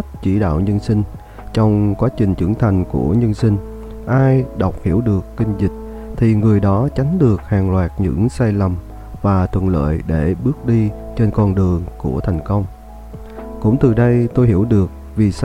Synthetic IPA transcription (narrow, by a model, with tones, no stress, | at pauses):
t̚t͡ɕḭ˧˩ɗa̰ː˧˨wɲə˧nsï˧ŋ̟ | t͡ɕɔ˧wŋ͡mkwaː˨˦t͡ɕï˨˩ŋ̟t͡ɕɨ̰˧˩˥ŋt̪ʰa˨˩jŋ̟ku˧˩əɲə˧nsï˧ŋ̟ | ʔaː˧jɗa˨˩wk͡p̚hi˧˩əwɗɨ˨˩əkːï˧ŋ̟zï˨˩k̟̚ | t̪ʰi˨˩ŋɨ˨˩əjɗɔ˨˦t͡ɕa˨˦ŋ̟ɗɨ˨˩ək̚haː˨˩ŋlwaː˨˩t̚ɲɨ̰˧˥ŋsaː˧jlə˨˩m | vaː˨˩t̪ʰwə̰˧˨nlə̰ː˧˨jɗe˧˩ɓɨ˦˥ək̚ɗi˧t͡ɕe˧nkɔ˧nɗɨ˨˩əŋku˧˩ət̪ʰa˨˩jŋ̟kə˧wŋ͡m | kʊ̰˧˥ŋ͡mt̪ɨ˨˩ɗə˧jt̪o˧jɦi˧˩əwɗɨ˨˩ək̚ | vi˨˩s